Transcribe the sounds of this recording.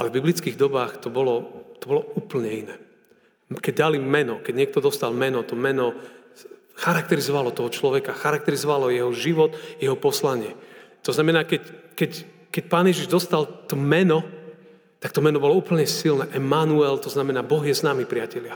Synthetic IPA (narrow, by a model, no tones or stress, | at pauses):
ʔa̰lɛvbiblit͡skiɣd̪ɔbaːxt̪ɔbɔlɔt̪ɔbɔlɔuːpl̩ɲɛinɛː | kɛɟ̚d̪alimmːɛnɔkɛɟɲɪɛk̚t̪ɔd̪ɔst̪almɛnɔt̪ɔmɛnɔ | xaɾak̚t̪ɛɾizɔʋalɔt̪ɔɦɔt͡ʃlɔʋɛkaxaɾak̚t̪ɛɾizɔʋalɔjɛɦɔʒiʋɔt̪jɛɦɔpɔslaɲɪɛt̪ɔznamɛnaːkɛckɛc | kɛcpaːnjɛʒiʒd̪ɔst̪alt̪ɔmɛnɔ | t̪ak̚t̪ɔmɛnɔbɔlɔuːpl̩ɲɛsilnɛːʔɛmanuɛlt̪ɔznamɛnaːbɔɣjɛznaːmipɾɪacɛlɪa